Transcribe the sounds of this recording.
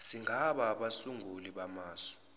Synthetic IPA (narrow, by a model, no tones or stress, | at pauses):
siŋʱaɓaɓasuŋɡʱuliɓamaːsɔ̥